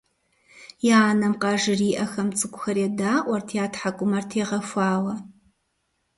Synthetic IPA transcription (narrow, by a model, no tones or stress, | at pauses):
jɛːnɐmqɑːʒɪriːʔɐxɐmt͡sʼɨkʷʼʊxɐɾjɛdaːʔʷɐrtʰjaːtʰħakʷʼʊmɐrtʰeːʁɐfʷɑːwɐ